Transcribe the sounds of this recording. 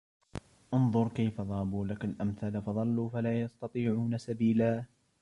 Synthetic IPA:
ʔʊnðˤʊɾˤkajfaðˤɑːbuːlakalʔamθalafɑðˤɑlːuːfalaːjɑst̪ɑt̪ˤiːʕuːnasabiːlaː

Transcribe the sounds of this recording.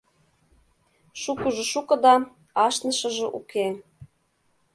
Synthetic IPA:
ʃukəʒɤ̆ʃukɤ̆d̪ɑ | ɑʃnɤ̆ʃɤ̆ʒɤ̆ʔuke

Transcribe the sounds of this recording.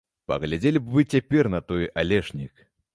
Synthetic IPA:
pɐ̰ɣlʲad͡zʲelʲibvɨt͡sʲapʲɛrnɐt̪ɔjʔalʲɛʂnʲik

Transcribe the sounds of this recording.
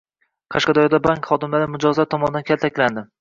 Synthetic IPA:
qʰɑʃqɑd̪ɒjɒd̪abaŋkχɒd̪ɪmlaɾɪmʊd͡ʒɒzat̪ʰːɒmɒnɪd̪ankʲalt̪ʰakʲland̪ɪ

